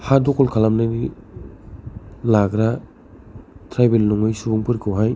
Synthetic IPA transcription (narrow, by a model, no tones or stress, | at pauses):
hadɔkɔlkʰalamnajni | laɡɾa | tʰɾajbelnɔŋɯjsubuŋpʰɯɾkʰɯwɦaj